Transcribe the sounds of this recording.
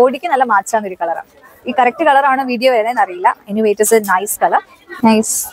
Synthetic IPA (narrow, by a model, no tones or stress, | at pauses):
oːɽikʲːɨnɐlːɐmaːt͡ɕaːnːoɾukɐɭɐɾa̰ːɳ | iːkɐɾɐk̚ʈɨkɐɭɐɾaːɳɨʋiːɖijoːʋeːlɐenːɐrijilːɐenːiuʋejʈːɐsɨnɐjskɐlɐr | nɐjs